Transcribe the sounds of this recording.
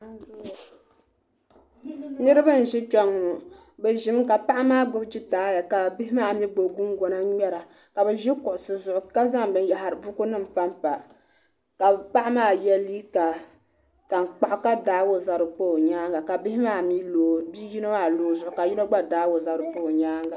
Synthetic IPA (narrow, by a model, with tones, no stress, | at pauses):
nɨ˦ɾɨ˦ba˦n̩˨ʒɪ˦t͡ʃɛ˦ŋːʊ˨ | bɛ˨ʒɪ˦mka˨pa˦ʔa˦maː˦ɡ͡bʊ˦bd͡ʒi˦taː˦ja˨ka˨bɪ˦hɪ˦maː˦˨mi˦ɡ͡bo˨ɡʊ˦mɡɔ˨na˦ɲɛ˦ɾa˨ | ka˨bɛ˨ʒi˦kʊ˨ʔʊ˨sɨ˨zʊ˨ʔʊ˨ka˦za˦ŋbɨ˦n˦ja˨ɦa˨ɾɨ˨bʊ˦ku˦nɨ˦m̩˨fa˦mpa˨ | ka˨pa˦ʔa˦maː˦jɛ˦liː˦ka˨ | ta˨nk͡pa˨ʔʊ˦ka˦daː˦wo˦za˨ɾɨ˨po˦˨ɲaː˦ŋɡa˨ka˨bi˦hɪ˦maː˦mi˦lo˨bi˦ji˦nɨ˦maː˦˨loː˨zʊ˨ʔʊ˨ka˨ji˦la˦ɡ͡ba˦daː˦wo˨za˨ɾɨ˨poː˦˨ɲaː˦ŋɡa˨